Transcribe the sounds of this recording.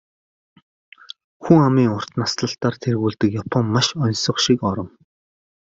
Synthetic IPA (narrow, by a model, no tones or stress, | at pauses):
xuŋamiːŋʊr̥t̪nasɮə̆ɬt̪aːrt̪ʰerɣuːɮt̪ɘ̆kjapʰɔmːaʃɔnsɞ̆χʃikɔɾɞ̆m